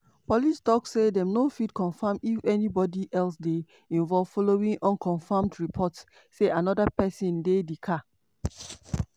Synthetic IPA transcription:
pɔlistɔkssedɛ̃mnofidkɔ̃nfãmifɛnibɔdiʔɛls̬de | ĩnvɔlv̥fɔloĩŋʔɔ̃nkʰɔ̃nfãmdɹipʰɔts | seʔanɔdapɛsĩndedikʰa

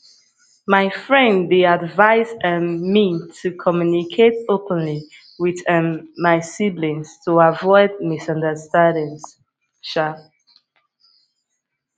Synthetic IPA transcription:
maɪfɹɛ̃ndːeadvaɪzəmitʰukʰɔmjunikʰetopə̃nli | wiðəmaɪsiblĩnstʰuavɔɪd̚misʌ̃ndəstãndĩns | ʃa

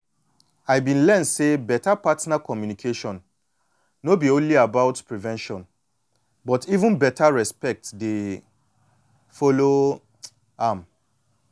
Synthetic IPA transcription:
ajbĩnlɛ̃ntsebɛtapatnakɔmjunikʰeʃɔ̃n | nobiõnliabaʊtpɹivɛ̃nʃɔ̃n | bɔtivũnbɛtaɹɛspɛk̚tde | fɔlo | am

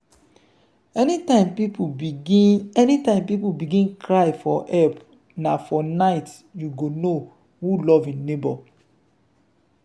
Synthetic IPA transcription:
ɛnitãɪmpipuiɛnitãɪ̃mpipubiɡĩnkɹajfɔʔɛp | nafɔnaɪt | juɡono | hulɔvĩnːebɔ

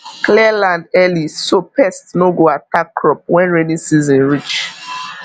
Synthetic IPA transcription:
klɛlãndɛlisopɛstnoɡoatakːɹɔp̚wɛ̃nɹɛnĩsizɔ̃nɹit͡ʃ

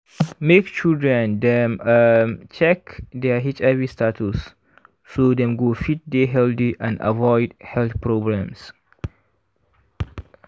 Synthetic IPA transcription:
mekt͡ʃildɹɛ̃nd̪ɛ̃mmt͡ʃɛkdɛɦit͡ʃɛvistʰatʰusː | od̪ɛ̃mɡofit̚deɦɛld̪iʔãna̰vɔɪdhɛlθpɹobɹãms

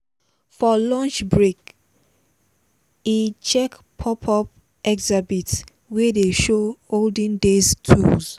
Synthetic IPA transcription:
fɔlɔ̃nt͡ʃbɹek | it͡ʃɛk | pʰɔpʰɔp | ɛkzabits | wedeʃooldə̃ndeztʰṵlz

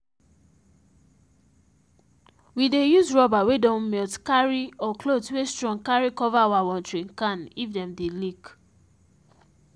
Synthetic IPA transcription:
widejuzɹɔbawedɔ̃nmɛltkaɹiɔklotwestɹɔ̃ŋkaɹikɔvaawawɔ̃ntɹĩŋkãnifdɛ̃mdelik

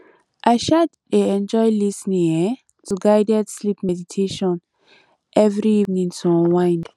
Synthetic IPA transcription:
ʔaʃaddeɛ̃nd͡ʒɔjlisnĩŋɛ | tʰuɡajdɛtslipmɛditʰeʃɔ̃n | ʔɛvɹiivnĩŋtʰũwãj̃nd

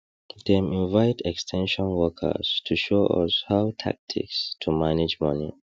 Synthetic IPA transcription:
dɛmĩnvaɪtɛkstʰɛ̃nʃɔ̃nwɔkʰə̰z̥tʰuʃoʔʌ̰shaʊtʰa̰k̚tʰḭkstʰumaned͡ʒmʌnḭ

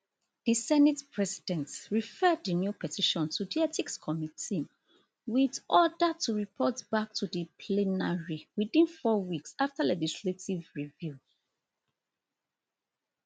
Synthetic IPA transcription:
ð̥isɛnitpʰɹɛsidɛ̃ntɹifɜdənjupɛtʰiʃɔ̃ntʰudiɛtikskʰɔmiti | widʔɔdətuɹipʰɔtb̥ak̚tʰudipʰlɛnaɹiwiθĩnfɔwiksaftalɛd͡ʒisletivɹivju

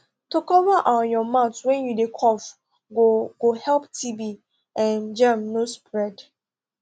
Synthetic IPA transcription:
tokɔvaʔɔ̃njɔmaʊtwɛ̃njudekʰɔf | ɡoɡ̥ohɛlptʰibi | ɛ̃nd͡ʒãmnospɹɛd

